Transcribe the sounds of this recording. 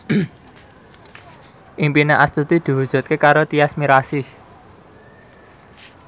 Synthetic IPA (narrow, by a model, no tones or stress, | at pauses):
ʔimpineʔast̪ut̪id̪̥i̤wud̥ʒ̥ṳt̪̚kekaɾot̪iasmiɾasi